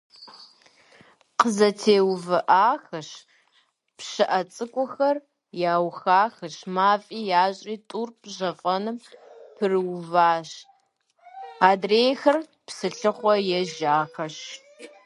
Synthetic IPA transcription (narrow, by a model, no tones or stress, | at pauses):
qəzɐtʰeːwvɨʔaːxɐɕ | pɕɨʔɐt͡sʼɨkʷʼʊxɐr | jaːwxaːxɨɕmaːfʼiːjaːɕʼiːtʼuːrpʑɐfʼɐnɨmpʰɨrwvaːɕ | aːdreːjxɐr | psɨɬɨχʷɔjɛʒaːxɐɕ